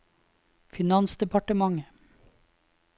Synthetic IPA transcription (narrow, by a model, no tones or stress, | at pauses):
fɪnɑnsd̪ɛpʰɑʈəmɑŋə